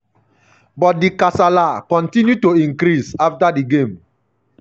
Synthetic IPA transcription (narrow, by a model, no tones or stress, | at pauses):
bɔt̚dikasalakɔ̃ntĩnjutoĩŋkɾisaftadiɡẽm